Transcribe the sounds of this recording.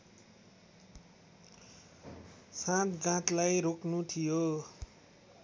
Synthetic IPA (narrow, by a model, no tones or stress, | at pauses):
sãt̪ɡãt̪lajɾoknut̪ʰijo